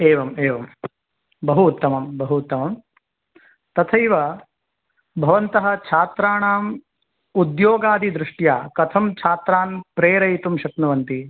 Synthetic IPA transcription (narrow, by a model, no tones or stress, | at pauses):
eːʋɐmeːʋɐm | bɐɦuːt̪ːɐmɐmbɐɦuːt̪ːɐmɐm | t̪ɐt̪ʰɐjʋɐ | bʱɐʋɐnt̪ɐɦɐ̆t͡ʃʰaːt̪ɾaːɳaːm | ud̪joːɡaːd̪ʱid̪ɾɪʂʈjaːkɐt̪ʰɐmt͡ʃʰaːt̪ɾaːnpɾeːɾɐjt̪umʃɐknɐʋɐnt̪i